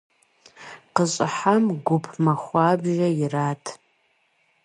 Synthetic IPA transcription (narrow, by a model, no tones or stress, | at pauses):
qəɕʼɪħamɡʷʊpʰmaχʷaːbʒɐiraːtʰ